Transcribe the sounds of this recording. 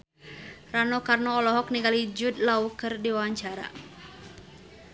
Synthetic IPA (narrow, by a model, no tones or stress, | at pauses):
ranɔkarnɔːlɔɦɔk̚niŋɡalid͡ʒud̪̚laukɨrdiwawaɲt͡ʃaɾa̰